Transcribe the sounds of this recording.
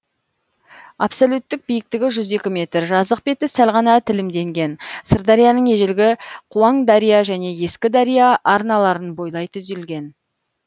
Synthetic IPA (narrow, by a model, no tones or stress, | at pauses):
a̰psolʲut̪ːɪk̚bijɪk̚t̪ɪɡʲɪʒʏze̞kʲɪme̞t̪ɾʒɑzəq̚be̞t̪ɪsælʁɑnɑt̪ʰɪlɪmd̪e̞ŋɡʲe̞nsəɾd̪ɑɾijɑnəɴe̞ʒelɡʲɪqʰuɑɴd̪ɑɾijaʒæne̞je̞skʲɪd̪ɑɾijaʔːɾnɑlˠɑɾənbo̞jlˠɑjt̪ʰʏzelɡʲe̞n